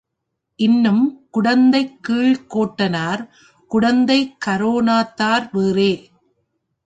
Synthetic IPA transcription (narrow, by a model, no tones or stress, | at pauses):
ʔɪnːɯmkʊɽɐnd̪ɐɪkːiːɭkoːʈːɐnaːɾ | kʊɽɐnd̪ɐɪkːɐɾoːnaːt̪ːaːɾʋeːreː